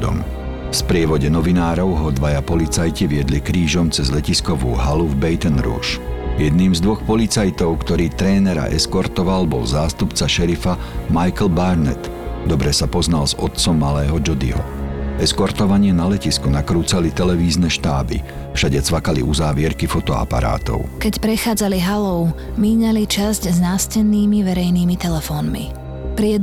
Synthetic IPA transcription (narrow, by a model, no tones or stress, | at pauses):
ɔ̰m | fspɾɪɛʋɔɟɛnɔʋinaːɾɔʊɦɔd̪ʋajapɔlit͡sajciʋɪɛd̪likɾiːʒɔmt͡sɛzlɛciskɔʋuːɦaluvbɛjt̪ɛnɾṵːʃjɛd̪niːmzd̪ʋɔxpɔlit͡sajt̪ɔʊkt̪ɔɾiːt̪ɾɛːnɛɾa̰ʔɛskɔɾt̪ɔʋalbɔ̰lzaːst̪upt͡saʃɛɾifa | majkl̩baɾnɛt̪ | d̪ɔbɾɛsapɔznalzɔ̰t̪̚t͡sɔmːalɛːɦɔd͡ʒɔd̪ḭɦɔ̰ɛskɔɾt̪ɔʋaɲɪɛnalɛciskunakɾuːt͡salit̪ɛlɛʋiːznɛʃt̪aːbḭ | fʃaɟɛt͡sʋakalḭuzaːʋɪɛɾkifɔt̪ɔa̰pa̰ɾa̰ːt̪ɔ̰ʊkɛcpɾɛxaːd͡zaliɦalɔʊ | miːɲalit͡ʃascznaːscɛnːiːmiʋɛɾɛjniːmit̪ɛlɛfɔːnmḭ | pɾiɛd̪